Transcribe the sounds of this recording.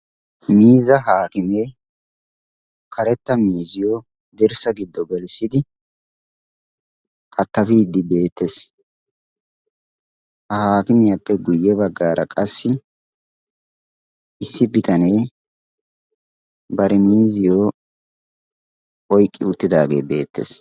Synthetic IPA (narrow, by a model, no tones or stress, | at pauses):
miːzɐɦaːkɪme | kʰɐɾɛt̪ːɐmiːzɪjoː | d̪ɪɾsɐɡɪd̪ːɔɡɛlsɪd̪ɪ | kʼɐt̪ːɐfiːd̪ːɪbe̞ːt̪ːes | hɐhaːkɪmɪjapːɛɡʊjːɛβɐɡːaːɾʔɐkʼɐsːɪ | ʔɪsːɪbɪt̪ɐne̞ː | bɐɾɛmiːzɪjoː | ʔɔjkʼːɪʊt̪ːɪd̪aːɡe̞̰ːbe̞̰ːt̪ːḛs